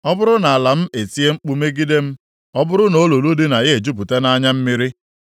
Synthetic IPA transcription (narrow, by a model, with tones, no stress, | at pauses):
ɔ˦bʊ˦ɾʊ˦na˨a˨la˨m̩˦e˨ti˦e˦ŋ͡m̩˦k͡pu˦me˦ɡi˦de˦m̩˦ | ɔ˦bʊ˦ɾʊ˦no˨˦lo˨lu˦dɪ˦na˨ɣe˦e˨d͡ʒu˦p̬u˨te˦na˦ɲa˦m̩˦mɪ˦ɾɪ˦